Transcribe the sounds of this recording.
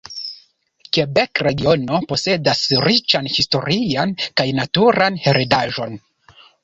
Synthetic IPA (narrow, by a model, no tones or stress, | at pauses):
kebe̞kɾe̞ɡio̞no̞po̞se̞dasɾit͡ʃanhisto̞ɾiankajnatuɾanhe̞ɾʔedaʒo̞n